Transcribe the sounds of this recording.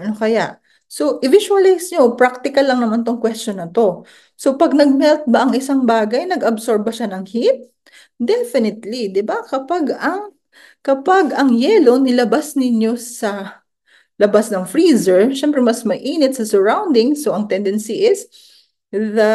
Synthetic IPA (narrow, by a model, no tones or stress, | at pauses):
nokɐjaʔ | so̞ʔɪvɪʃʊɐlajsɲopɾak̚t̪ɪkɐlːɐŋnɐmant̪oŋkwɛst͡ʃonɐt̪o̞ | so̞pɐɡ̚nɐɡ̚mɛlt̪̚bɐʔɐŋɪsaŋbaːɡɐjnɐɡɐbsoɹb̚bɐʃanɐŋhit̪̚ | d̪ɛfɪnɪt̪lid̪ɪbakɐpaɡɐŋ | kɐpaɡɐŋjɛlo̞nɪlɐbasnɪɲjo̞sɐ | lɐbasnɐŋfɹiːzɛɹʃɛmpɾɛmɐsmɐʔiːnɪt̪̚sɐsɛɹawnd̪ɪŋsoʔɐŋt̪ɛnd̪ɛnsiʔɪs | ðɐ